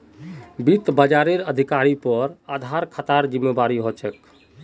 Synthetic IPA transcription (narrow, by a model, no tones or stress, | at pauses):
bit̪bəd͡ʒaɾeɾəd̪ʱikaɾipəɾad̪ʱaɾkʰət̪aɾd͡ʒimːebaɾiɦot͡ʃək